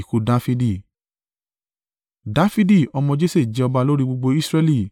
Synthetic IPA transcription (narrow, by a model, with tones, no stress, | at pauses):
ko˨˧da˦fi˧di˦˧˨ | da˦fi˦di˦˨ɔ˧mɔ̃˧d͡ʒe˦se˦˨d͡ʒɛ˧ɔ˧ba˧lo˦ɾi˦ɡ͡bo˧ɡ͡bo˧i˦sɾɛ˧li˦˨